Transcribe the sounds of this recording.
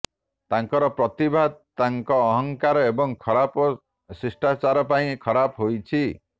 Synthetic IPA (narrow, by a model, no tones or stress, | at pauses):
t̪aŋkɔɾɔpɾɔt̪ibʱad̪t̪aŋkɔːɦɔŋkaɾɔebɔŋkʰɔɾapɔ | sɾisʈat͡ʃaɾɔpaĩkʰɔɾapɔɦojt͡ʃʰi